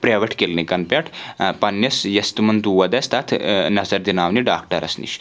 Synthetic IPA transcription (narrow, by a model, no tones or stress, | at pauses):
pɾeːʋɐʈʰkelnikɐnpʲɐʈʰpɐnjɐsjɐst̪umɐnt̪uːʋɐd̪ɐst̪ɐt̪ʰnɐzɐɾd̪inaːʋniɖaːkʈɐɾʔɐ̰snḭʃ